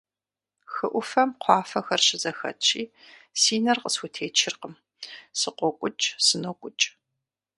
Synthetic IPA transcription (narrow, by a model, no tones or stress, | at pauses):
xɨʔʷʊfɐmqʷʰɑːfɐxɐrɕɪzɐxɐ̰t͡ʃʰiː | siːnɐrqəswʊtʰeːt͡ʃʰɪrqəm | sɨqʷɔkʷʼʊt͡ʃʼsɨnokʷʼʊt͡ʃʼ